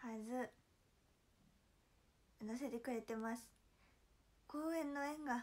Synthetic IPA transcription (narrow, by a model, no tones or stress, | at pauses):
hazɨ | nas̬e̞t̪e̞kɯ̟ɾe̞t̪e̞masɨ̥ | ko̞ːẽ̞nːo̞ẽ̞ŋɡa